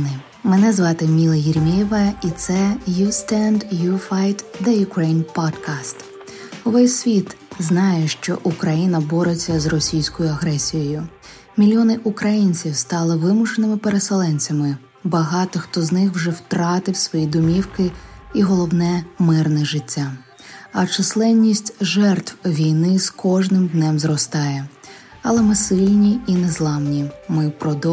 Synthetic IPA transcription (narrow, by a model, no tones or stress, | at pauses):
nɪ | menɛzʋɑt̪ɪmʲilˠɐjɪɾʲmʲiʋɐit̪sɛjust̪ɛnd̪jufajt̪d̪ɐjʊkɾɛjnpɔd̪kast̪ | ɔʋɛjsʲʋʲit̪ | znɑjɛʃt͡ʃɔ̰ʔukɾɐjinɐbɔɾet͡sʲːɐzrɔsʲijsʲkɔjʊɐɦɾɛsʲijɔjʊ | mʲilʲjɔnɪʔukɾɐjinʲt͡sʲiwst̪ɑlˠɪʋɪmʊʃenɪmɪpeɾeselˠɛnʲt͡sʲɐmɪ | bɐɦɑt̪ɔxt̪ɔznɪxwʒɛwt̪ɾɑt̪ɪwsʋɔjid̪ʊmʲiwkɪiɦɔlˠɔwnɛmɪrnɛʒɪtʲːa | ɐt͡ʃɪslˠɛnʲːisʲtʲʒɛrt̪wʋʲijnɪskʰɔʒnɪmd̪nɛmzrɔst̪ɑjɛ | ɐlˠɛmɪsɪlʲnʲiinɛzlˠɑmnʲimɪpɾɔd̪ɔ